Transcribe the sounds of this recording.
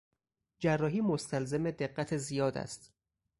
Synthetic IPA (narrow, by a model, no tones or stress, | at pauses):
d͡ʒærːɒːɦiːmost̪ʰælzemed̪e̞ɢːæt̪ʰezijɒːd̪æ̰st̪